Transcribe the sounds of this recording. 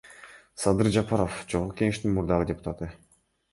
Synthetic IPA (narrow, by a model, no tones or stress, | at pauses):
sɑd̪ɯɾd͡ʒɑpɑɾofd͡ʒoʁʁuke̞ŋe̞ʃt̪inmuɾd̪ɑʁɯdʲe̞pʊ̥t̪at̪ɯ